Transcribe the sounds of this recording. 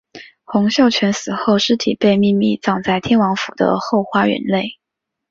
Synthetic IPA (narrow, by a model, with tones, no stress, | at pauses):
xʊ˧˥ŋɕjo˥˩ʊt͡ɕʰɥɛ˧˥nsɹ̩˨˩xo˥˩ʊʂɻ̩˥t̪ʰi˨˩pe˥˧ɪmi˥˧mi˥˩t͡sɑ˥˧ŋt͡sa˥˩ɪt̪ʰjɛ˥nwɑ˧˥ŋfu˨˩d̪ə̰˦xo˥˩ʊxwa˥ɥɛ̰˧˥nle˥˩ɪ